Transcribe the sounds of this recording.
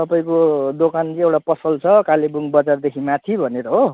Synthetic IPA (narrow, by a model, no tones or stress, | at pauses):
t̪ʌpaĩkod̪okant͡sĩewʈapʌsʌlt͡sʰʌkalebuŋbʌd͡zard̪ekʰimat̪ʰibʱʌneɾʌɦo